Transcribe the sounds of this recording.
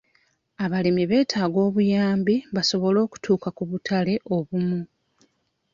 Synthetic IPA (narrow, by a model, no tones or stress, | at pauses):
aβalimiβe̞ːtʰaːɡo̞ːβujaːmbiβaso̞βo̞lo̞ːku̥tʰuːkakuβutʰale̞ʔo̞βumu